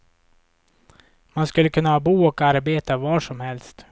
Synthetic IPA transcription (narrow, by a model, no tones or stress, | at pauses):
manskɵlːəkʰɵnːahɑːbuːɔkaɾbeːt̪avɑːʂɔmhɛlst̪